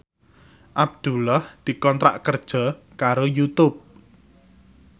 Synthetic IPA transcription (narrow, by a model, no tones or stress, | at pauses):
ʔab̚d̪̥ṳlahd̪̥i̤kɔnt̪ɾa̰ʔkərd̥ʒ̥ɔ̤ | kaɾojut̪ʊp̚